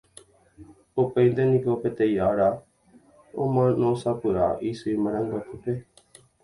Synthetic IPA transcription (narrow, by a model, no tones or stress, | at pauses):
opeĩnd̪enĩkopet̪ejaɾa | omãnõsapuɾa̰ʔisuiməɾãŋɡak̪ʰupe